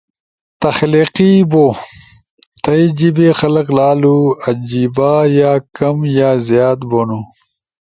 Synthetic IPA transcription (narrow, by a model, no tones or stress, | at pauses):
t̪ɐxliːqibo | t̪ʰɐid͡ʑibexɐlɐklaːluɐd͡ʑiːbaːjaːkɐmjaːzjaːt̪bonu